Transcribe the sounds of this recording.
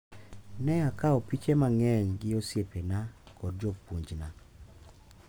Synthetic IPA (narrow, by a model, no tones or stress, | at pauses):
nɛakaopit͡ʃemaŋɛɲɡɪosjepenakɔd̚d͡ʒopuɲd͡ʒna